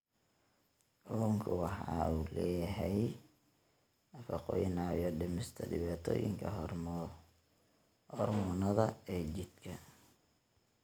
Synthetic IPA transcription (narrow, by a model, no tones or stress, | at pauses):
ʔɔŋkʰʊwɑħɑ̰uːlɛːjɦɛj | nɐfɑqɔːjɪnɑɔɖɪmɪst̪ʰɐdɪβaːt̪ʰɔ̰ːjɪ̰ŋkʰɐ | hɔrmɔnɐðɐɛːt͡ʃɪd̪̥kʰɐ